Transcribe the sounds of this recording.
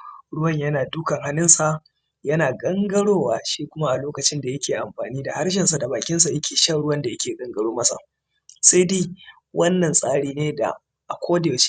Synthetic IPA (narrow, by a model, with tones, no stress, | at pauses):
ɽʊ˦wɐ˦˨ɲjɐ˦naː˨dʊ˦kɐ˨ŋɦa˦nɪ˦nsa˨ʔ | jɐ˦naː˨ɡɐ˦ŋɡɐ˦ɽoː˦waː˨ʃiː˦kʷʊ˦ma˦ʔa˨loː˦kɐ˨t͡ʃɪ˦nda˨jɐ˦kʲeː˨ʔa˨mɸaː˨niː˦da˨ha˦rʃ̬ɪ˨nsa˨da˨baː˨kʲɪ˦ns̬a˨jɐ˦kʲeː˨ʃɐ˦ɽʊ˦wɐ˦nda˨jɐ˦kʲeː˨ɡʼɐ˦ŋɡɐ˦ɽoː˦mɐ˦sa̰˨ | se˦diː˦ | wʔɐ˦nːɐ˨nsʼaː˦ɽiː˦neː˦da̰˨ | ʔa˨kʷoː˦de˨t͡ʃi̥˦